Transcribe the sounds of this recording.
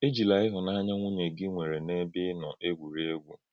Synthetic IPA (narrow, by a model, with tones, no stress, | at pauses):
e˦d͡ʒi˨la˨ɪ˦ɦʊ˨na˦ɲa˦ŋʷu˦ɲe˨ɡɪ˦ŋʷe˨ɾe˨ne˦bɪ˦nɔ˨ʔe˦ɡʷu˨ɾi˦e˦ɡʷu˨